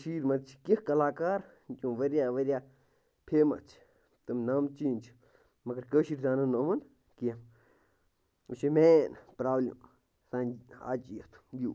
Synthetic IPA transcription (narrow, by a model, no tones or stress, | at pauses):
ʃiɾmat͡ʃʰi̥kəhkalakaɾ | t͡ʃʼũʋəɾjaʋəɾja | pʰema̰t͡ʃi̥ | t̪ɨmnãmt͡ʃint͡ʃi̥ | makəɾkəʃiɾd̪anãnõmən | kjem | uʃimẽnpɾablḛm | sãa̰t͡ʃʼiət̪u̥ju